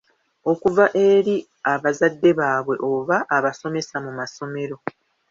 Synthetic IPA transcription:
o̞kuvaʔe̞ɾi | aβazadːe̞βaːβwe̞ʔo̞βaʔːβaso̞me̞samumaso̞me̞ɾo̞

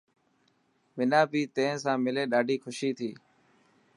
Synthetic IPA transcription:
ʋɪnãːbʱiːt̪ẽːsãːmɪleːɗaːɖʱiːxʊʃiːt̪ʰiː

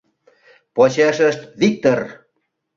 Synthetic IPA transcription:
pot͡ɕæʃəʃt̪βik̚t̪or

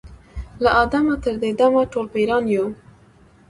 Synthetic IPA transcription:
laʔɑd̪amat̪əɾd̪ed̪amaʈolpeɾɑnjo

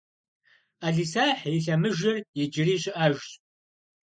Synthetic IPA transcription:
aːɮiːsaːħɪɬɐmɨʒɐrjɛd͡ʒɪriːɕʼɪʔaʒɕʼ

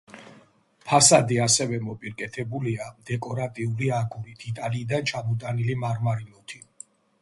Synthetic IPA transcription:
pʰasad̪iasɛvɛmɔpʼiɾkʼɛt̪ʰɛbuliad̪ɛkʼɔɾat̪ʼiuliaɡuɾid̪̥ʰit̪ʼaliːd̪ant͡ʃʰamɔt̪ʼanilimaɾmaɾilɔt̪ʰi

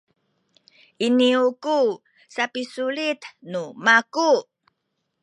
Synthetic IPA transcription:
iniuku | sapisulit̪numaku

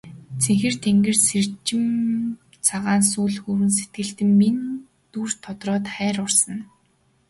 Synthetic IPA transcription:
t͡sʰeŋxɘ̆r̥t̪ʰeŋɡɘ̆rsert͡ɕɪ̆m | t͡sʰaʁaːns̬uːɮxuːɾɘ̆ns̬et̪̚ɡɘ̆ɮt̪ɘ̆mːin | t̪uːr̥t̪ʰɔt̪rɔːt̪χæːɾʊrsə̆n

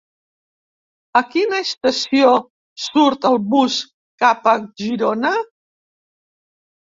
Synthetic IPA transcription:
əkinəst̪əsio | suɾt̪əlˠβus | kapəʒiɾonə

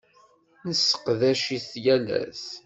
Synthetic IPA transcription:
nəsːə̥qðæʃiθjælæ̰θ

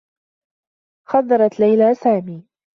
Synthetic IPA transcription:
xɑd̪ˤːɑɾˤɑt̪lajlaːsaːmiː

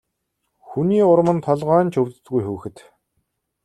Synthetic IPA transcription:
xuniːʊɾ̆mə̆nt̪ʰɔɮʁaːnt͡ɕʰɵwt̪ɘ̆t̪ɡujxuːxɘ̆t̪

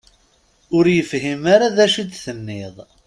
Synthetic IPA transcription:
ʊɾjəfɦimaɾaðæʃid̪θənːɪðˤ

